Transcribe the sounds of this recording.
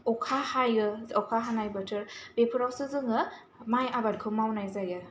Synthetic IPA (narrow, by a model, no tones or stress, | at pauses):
ɔkʰahajɯɔkʰaɦanajbatʰɯɾbepʰɯɾawsɯzɯŋɯ | majabat̚kʰɯmawnajzajɯ